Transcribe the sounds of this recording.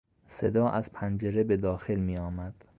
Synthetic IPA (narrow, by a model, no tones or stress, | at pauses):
se̞d̪ɒːʔæz̥pʰænd͡ʒeɾebe̞d̪ɒːxe̞lmiːɒːmæd̪̥